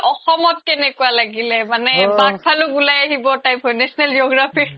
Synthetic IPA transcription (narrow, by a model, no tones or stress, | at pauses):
ʔɔxɔmɔt̚kɛnɛkualaɡilɛmanɛbak̚pʰalʊkulajaɦibɔtajpʰɔndɛsɔnald͡ʒoɡɹapʰiɹ